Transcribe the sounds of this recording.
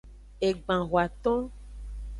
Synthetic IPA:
e˨ɡ͡bã˨ɣwa˨t̪ɔ̃˦

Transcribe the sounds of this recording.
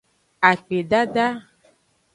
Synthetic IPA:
a˨k͡pe˨ɖa˦ɖa˦

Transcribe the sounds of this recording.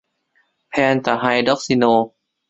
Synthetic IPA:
pʰɛː˧nt̪a˨˩ɦa˧jdɔ˦˥˩k̚si˧noː˧

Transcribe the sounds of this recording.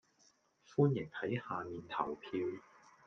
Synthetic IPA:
fuː˥njɪ˨˩ŋhɐ˨˥jhaː˨˧miː˨nt̪ʰɐ̰˨˩wpʰiː˧w

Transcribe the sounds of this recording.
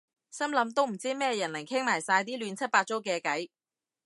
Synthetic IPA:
sɐ˥mlɐ˨˥mt̪o˥wm̩˨˩t͡siː˥mɛː˥jɐ˨˩nlɐ˨˩ŋkʰɪ˥ŋmaː˨˩jsaː˧jt̪iː˥lyː˨˧nt͡sʰɐ˥t̚paː˧t̚t͡so˥wkɛː˧kɐ˨˥j

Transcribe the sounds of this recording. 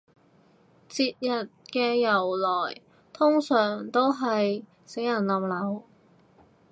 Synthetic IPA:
t͡siː˧t̚jɐ˨t̚kɛː˧jɐ˨˩wlɔː˨˩j | t̪ʰʊ˥ŋsœː˨˩ŋt̪o˥wɦɐ˨j | se˨˥jɐ˨˩nlɐ˨˩mlɐ˨˧w

